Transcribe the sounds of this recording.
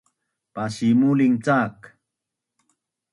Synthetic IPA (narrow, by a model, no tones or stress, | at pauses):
paʃimuliŋt͡sak